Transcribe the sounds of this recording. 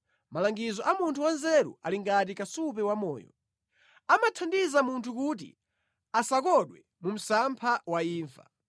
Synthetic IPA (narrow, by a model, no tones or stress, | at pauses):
malaŋɡizɔʔamuntʰuwanzɛɾṵʔa̰liŋɡat̬ikasupɛwamɔ̰ːjɔ̰ | amatʰandizamuntʰukut̬ḭ | asakɔɗwɛ | mum̩sampʰawaiːɱfa̰